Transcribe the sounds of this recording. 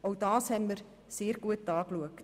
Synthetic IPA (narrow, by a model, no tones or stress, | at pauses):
owdɑːshɛmər | seːərɡuət̚dɑːkluəkt